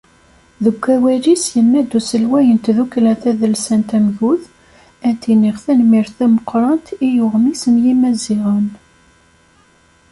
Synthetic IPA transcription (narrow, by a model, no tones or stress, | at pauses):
ðəɡʷːæwælisjənːæd̪usəlwæjənt̪ðukːlæθæðəlsænt̪æmʝuθ | ænt̪iniʁθænmiɾθæməqːɾˤɑnt̪ijʊʁmisənjimæziʁən